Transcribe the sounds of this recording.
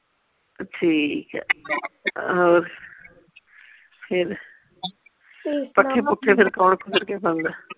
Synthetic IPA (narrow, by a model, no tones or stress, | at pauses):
ʈʰiːk | oːɾ | pʰɪɾ | pəeːpʊʈʰːepʰɪɾkaːɳkʰʊsɪɾkepɐnd̪a